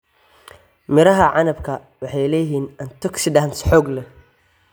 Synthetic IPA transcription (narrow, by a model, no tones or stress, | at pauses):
mɪɾɐɦɐʕɑnɐbkʰɐ | wɑħɑjlɛːjɦiːnʔɐnt̪ʰɔksɪɖaːnsħɔːɡlɛ